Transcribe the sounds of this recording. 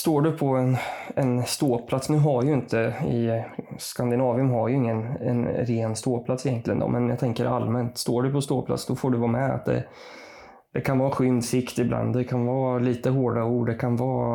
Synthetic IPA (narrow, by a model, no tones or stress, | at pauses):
st̪oːɖɵpʰɔɛnɛnst̪oːpʰlat̪snʉ̟ːɦaɾjɵɪnt̪ʰəɪskand̪ɪnɑːvɪɵmɦaɾjəɪŋːənɛ̰nɾeːnst̪oːɾpʰlat̪sɪjɛnt̪lɪɡənd̪ɔ̰mɛnjat̪ʰɛŋkəɾalmɛnt̪st̪oːɖɵpʰɔst̪oːpʰla̰t̪sd̪ɔfoːɖɵvɑːmɛa̰t̪̚d̪ɛ̰ | d̪̥ɛkʰanvɑːɧʏnd̪sɪkt̪ɪbla̰nd̪d̪ɛkʰanvɑːliːt̪əɦoːɖauːɖɖɛkʰanvɑː